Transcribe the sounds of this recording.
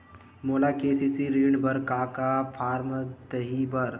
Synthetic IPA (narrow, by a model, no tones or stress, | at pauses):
moːlakeːsisiɾiɳbəɾkaːkapʰaːɾmt̪əɦibəɾ